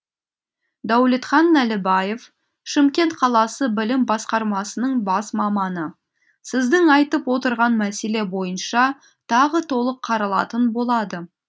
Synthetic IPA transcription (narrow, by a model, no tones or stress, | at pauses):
d̪æwle̞t̪χɑnːælɪbɑjef | ʃɪmkʲe̞nt̪qʰɑlˠɑsəbɪlɪmbɑsqɑɾmɑsənəɴbɑsmɑmɑnə | sɪzd̪ɪŋɑjt̪əpwo̞t̪əɾʁɑnmæse̞le̞bo̞jənʃɑ | t̪ʰɑʁət̪ʰo̞lˠəqʰːɑɾɑlˠɑ̰t̪ənbo̞lˠɑd̪ə